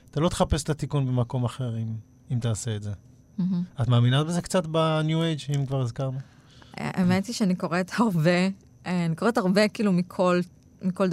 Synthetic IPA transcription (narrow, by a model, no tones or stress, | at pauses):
at̪alo̞t̪e̥χape̞set̪at̪ikunbe̞mako̞maχeʁim | imt̪aːse̞ːtze | m̩ɦ̩at̪maːminabeze̞kt͡sat̪banjuejt͡ʃimkvaʁizkaʁnu | ḛʔemetiʃeaniko̞ʁet̪haʁbe | eaniko̞ʁethaʁbekiːlumikʰol | miko̞ld